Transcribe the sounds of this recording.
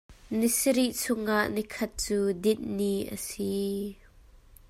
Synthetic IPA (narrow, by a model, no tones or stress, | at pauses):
nisɾiʔt͡sʰʊŋʔaʔnikʰɐt̪̚t͡suːdɪt̪̚niʔə̰si